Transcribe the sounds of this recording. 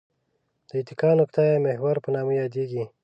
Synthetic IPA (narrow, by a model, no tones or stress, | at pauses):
d̪̥əit̪ikɑːnukt̪ɑjɑmehwaɾpənɑmujɑːd̪eːɡi